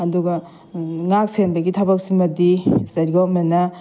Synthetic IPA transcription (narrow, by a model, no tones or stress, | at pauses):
ɐduɡɐ | ŋak̚senbɐɡitʰabak̚simɐdisɐɾɡomena